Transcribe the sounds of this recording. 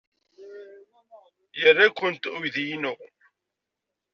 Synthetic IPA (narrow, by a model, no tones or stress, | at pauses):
jərːakʷːənt̪ʊjðjnu